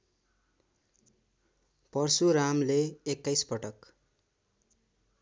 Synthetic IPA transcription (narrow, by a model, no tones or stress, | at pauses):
pʌrsuɾamleːkːajspʌʈʌk